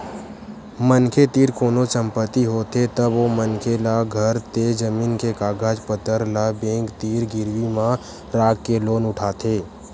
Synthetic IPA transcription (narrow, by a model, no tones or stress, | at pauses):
mənkʰet̪iːɾkoːnosə̃mpət̪iɦoːt̪et̪əbomənkʰelaɡʱəɾt̪ed͡ʒəmiːnkekaːɡaːd͡ʒpət̪əɾlabẽːŋkt̪iːɾɡɪɾʋimã | ɾaːɡːeloːnʊʈʰaːt̪ʰeː